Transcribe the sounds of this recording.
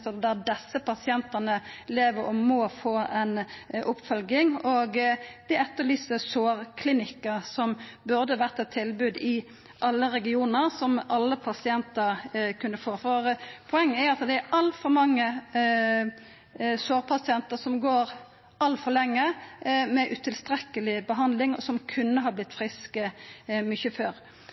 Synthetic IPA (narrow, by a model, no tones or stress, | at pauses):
d̪æd̪ɛsːəpɑsɪɛnt̪ənəleːʋəɾɔmɔfoːɛnʔʊpfœlɡɪŋɔɡd̪̥ɛɾɛt̪ːəlɪsəsoːʁkʰlɪnɪkːəsɔmbʉɾd̪əʋæʁt̪ɛt̪ʰːɪlbʉːd̪ɪ | ʔɑlːəɾɛɡɪuːnəʁsɔmʔɑlːəpʰɑsɪɛnt̪əʁkʰʉnːəfoːfɔɾpʰʊɛŋːəɛɾɑsd̪ɛæʔɑlt̪fɔmɑŋːə | soːʁpʰɑsɪɛnt̪əsɔmɡoːɾ | ʔɑlfɔlɛŋːəmɛʔʉt̪ʰɪlst̪ɾɛkːəlɪbəɦɑnd̪lɪŋɔsɔmkʰʉnːəɦɑblɪt̪ːfʁɪskəmʏçəføːɾ